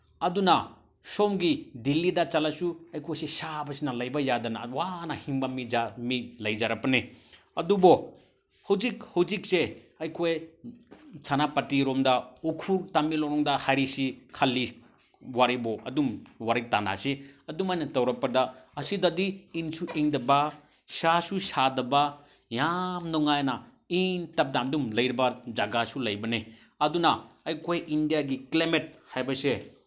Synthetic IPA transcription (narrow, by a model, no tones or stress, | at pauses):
ɐduna | sɔmɡidilːidɐt͡ʃalasuɐjkʰojsesabɐsinɐlɐjbɐjadɐna̰wanahiŋbamid͡ʒamit̚lɐjd͡ʒaɾɐpɐne | ɐdubɔ | hawd͡ʒik̚hawd͡ʒik̚se | ɐjkʰoj | sanapɐtiɾɔmdɐukʰuɾtamilɔɾɔŋdɐhajɾisikʰalːi | waɾibɔɐ̰dumwaɾik̚tana̰siɐdumajnɐtɐwɾɐpːɐdaɐsidadiːŋsuʔeŋdɐba | sasusadɐba | jamnɔŋajna | iŋtɐp̚damdumlɐjɾibad͡ʒaɡasulɐjbɐne | ɐdunaɐjkʰojindijaɡiklamet̚hajbɐse